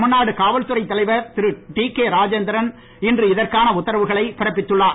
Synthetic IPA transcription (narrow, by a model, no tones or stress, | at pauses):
mʊnːaːɽɯkaːʋɐlt̪ɯɾɐɪt̪ːɐlɐɪʋɐɾt̪ɪɾɯʈiːkeːɾaːd͡ʒɛnd̪ɐɾɐn | ɪndrɯɪðɐrkaːnɐʊt̪ːɐɾɐʋɯɣɐɭɐɪpɪɾɐpːɪt̪ːɯɭːaː